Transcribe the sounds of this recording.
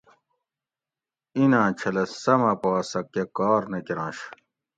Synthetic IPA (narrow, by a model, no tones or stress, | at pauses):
inãːt͡ɕʰɐlɐsɐmɐpoːsɐkːekɔːɾnekiɾãːɕ